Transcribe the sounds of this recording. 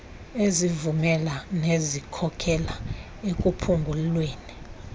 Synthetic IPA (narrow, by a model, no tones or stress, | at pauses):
ezivumɛlanezikʰɔkʰɛla | ekʼupʰuŋɡʱullweːni